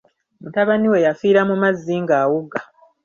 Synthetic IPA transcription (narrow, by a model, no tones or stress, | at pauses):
mutaβaniwe̞jafiːɾamumazːiːŋɡaːwuɡa